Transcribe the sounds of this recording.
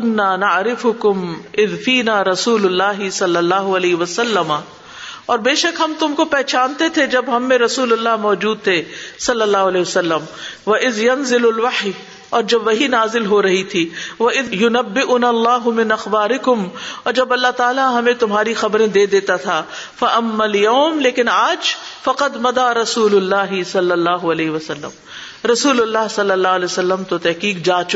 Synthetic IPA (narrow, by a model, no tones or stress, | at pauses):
ʊnːaːnɐʕɾɪfʊkʊmɪðfiːnaːɾɐsuːlʊlːaːɦɪsɐlːɐlːaːɦʊɐlɛːɦʋɐsɐlːɐma | ɔːɾbeːʃɐkɦɐmt̪ʊmkopɛɦt͡ʃaːnt̪et̪ʰed͡ʒɐbɦɐmːẽɾɐsuːlɐlːaɦmɔːd͡ʒuːd̪̚t̪ʰesɐlːɐlːaːɦʊɐlɛːʋɐsɐlːəmʋɐʔɪðjɐnzɪlʊlʋɐħi | ɔːɾd͡ʒɐbʋɐɦinaːzɪlɦoɾɐɦit̪ʰiːʋɐɪðjʊnɐbːɪʔʊnalːaːɦʊmɪnɐxbaːɾɪkʊmɔːɾd͡ʒɐbɐlːaɦt̪aːlaɦɐmẽt̪ʊmɦaːɾixɐbɾẽd̪eːd̪eːt̪at̪ʰaː | fɐʔɐmːaljɐːmleːkɪnaːd͡ʒfɐqɐd̪mɐd̪aːɾɐsuːlʊlːaːɦɪsɐlːɐlːaːɦʊɐlɛːɦɪʋɐsɐlːə̰m | ɾɐsuːlʊlːaːɦsɐlːəlːaːɦʊɐlɛːsɐlːəmt̪ot̪ɛɦqiːkd͡ʒaːt͡ʃʊ